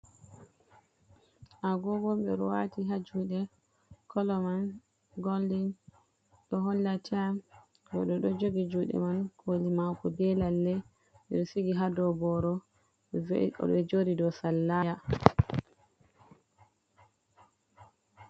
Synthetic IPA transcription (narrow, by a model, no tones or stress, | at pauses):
ʔaɡɔɡɔmɓɛɾɔwatiɦad͡ʒuɗɛ | kɔlɔman | ɡoldin | ɗɔɦɔlːatʰiam | bɔ̰ɗɔɗɔd͡ʒoɡid͡ʒuɗɛ̰mankʰolimakɔbɛlalːɛ | ɓɛɗɔsiɡiɦadɔbɔɾɔ | ɔ̰ɓɛd͡ʒoɾidɔsalːaja